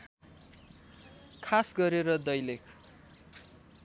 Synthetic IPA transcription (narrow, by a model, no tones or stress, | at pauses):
kʰasɡʌɾeɾʌd̪ʌjlekʰ